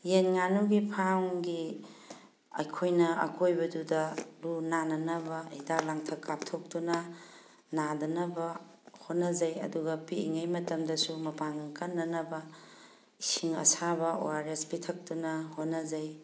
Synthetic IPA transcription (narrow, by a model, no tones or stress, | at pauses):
jenŋanuɡipʰaŋɡi | ɐ̰jkʰojnɐɐ̰kojbɐdudɐlunanɐnɐbɐidalaŋtʰɐkːap̚tʰok̚tunɐ | nadɐnɐbɐ | hotnːɐzɐjɐ̰duɡɐpiḭŋɐjmɐtɐmdɐsumɐpaŋkɐnːɐnɐbɐ | isiŋɐ̰saβɐo̰waɾespitʰɐk̚tunɐhonːɐzɐj